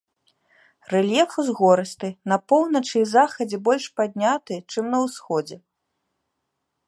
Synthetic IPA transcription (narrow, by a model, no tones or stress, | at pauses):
rɛlʲjɛfɨzɣɔɾɨst̪ɨnɐpɔwnɐt͡ʂɨizaxɐd͡zʲɛbɔlʲʂpad̪̚ʲnʲat̪ɨt͡ʂɨmnɐwsxɔd͡zʲɛ